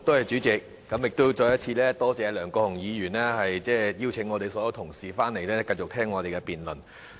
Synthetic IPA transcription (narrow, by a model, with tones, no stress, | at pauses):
t̪o˥hɐ˨˩jt͡ʃyː˨˥t͡sɪ˨k̚ːɐ˨˥mjɪ˨k̚t̪o˥wt͡ʃɔː˧jɐ˥t̚t͡sʰiː˧lɛː˥t̪ɔː˥t͡sɛː˨˧lœː˨˩ŋkɔː˧hʊ˨˩ŋjiː˨˧jyː˨˩nlɛː˥hɐ˨jt͡sɛː˥˩ji˥wt͡sʰɪ˨˥ŋːɔː˨˧t̪e˨jsɔː˨˦jɐ˧wt̪ʰʊ˨˩ŋsiː˨˩faː˥ne˨˩jlɛː˥kɐ˧jt͡sʊ˨k̚t̪ʰɛː˥ŋːɔː˨˧e˨jkɛ˧piː˨nlɵ˨˩n